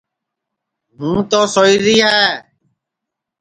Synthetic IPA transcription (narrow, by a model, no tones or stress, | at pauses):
ɦũːt̪oːsoiːɾiːɦɛː